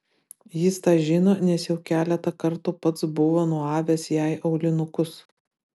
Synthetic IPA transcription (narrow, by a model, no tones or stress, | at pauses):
jɪst̪ɑːʒʲɪnoːnʲɛsjɛʊkʲæːlʲɛt̪ɐkɐɾt̪ʊpɐt̪sbʊʋoːnuɔɑːʋʲesjæˑɪʔɐʊlʲɪnʊkʊs